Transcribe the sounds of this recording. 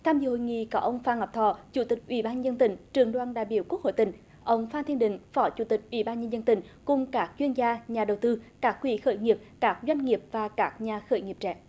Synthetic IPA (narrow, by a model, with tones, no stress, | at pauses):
t̪ʰaː˧mzɨ̰˧˨˩ho̰˧˨jŋḭ˧˨kɔ˨˦ʔə˧wŋ͡mfaː˧nŋə˨˩p̚t̪ʰɔ˧˩t͡ɕu˧˩t̪ï˨˩k̟̚ʔwḭ˧˩˦ɓaː˧nɲə˧zə˧nt̪ï˧˩ŋ̟t͡ɕɨ˨˩əŋɗwaː˧nɗaː˧˨jɓi˧˨əwku˦˥k̚ho̰˧˨jt̪ï˧˩˦ŋ̟ | ʔə˧wŋ͡mfaː˧nt̪ʰənɗï˧˨ŋ̟fɔ˧˨˦t͡ɕu˧˩t̪ï˨˩k̟̚ʔwḭ˧˩˦ɓaː˧nɲə˧nzə˧nt̪ï˧˩˦ŋ̟kʊ˨˩ŋ͡mkaː˦˥k̚t͡ɕwi˧ənzaː˧ɲaː˨˩ɗə˨˩wt̪ɨ˧kaː˦˥k̚ːwi˧˩xəː˧˩jŋi˨˩əp̚kaː˦˥k̚zwa˧jŋ̟ŋi˨˩əp̚vaː˨˩kaː˦˥k̚ɲaː˨˩xəː˧˩jŋi˨˩əp̚t͡ɕɛ̰˧˥˨